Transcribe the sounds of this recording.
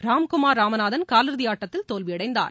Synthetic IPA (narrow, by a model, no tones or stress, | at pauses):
ɾaːmkʊmaːɾːaːmɐnaːðɐnkaːlɯɾðɪjaːʈːɐt̪ːɪlt̪oːlʋɪjɐɽɐɪnd̪a̰ːɾ